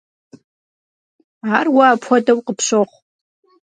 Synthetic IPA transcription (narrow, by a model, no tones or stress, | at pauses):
arwaːpʰadawqʼəpʰʂʷoχʷ